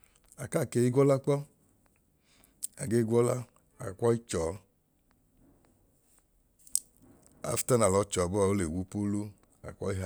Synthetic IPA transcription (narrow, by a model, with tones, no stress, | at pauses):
a˨ka˦˨ke˨˦i˦ɡʷɔ˦la˦k͡pɔ˦ | a˨ɡe˦i˦ɡʷɔ˦la˦ | a˨kʷɔ˦i˦t͡ʃɔː˨˦ | a̰˨˦fi̥˦ta˦na˨lɔ˧˦t͡ʃɔ˨bɔ˦a˨o˦le˨wu˨˦pu˦lu˦ | a̰˨kʷɔ˦i˦ɦa˨